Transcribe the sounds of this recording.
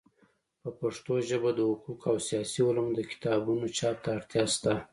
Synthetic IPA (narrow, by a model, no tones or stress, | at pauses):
pəpaʂt̪oʒəbad̪əhʊqukawsijɑsiʊləmd̪əkɪ̥t̪ɑbunot͡ʃɑt̪aːɾt̪jɑst̪a